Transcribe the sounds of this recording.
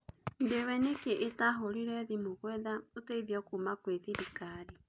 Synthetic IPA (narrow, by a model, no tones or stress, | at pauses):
ndewɛnekeʔːtaɦoɾiɾɛðimoɣwɛðauteiðjɔkumakweθiɾikaɾi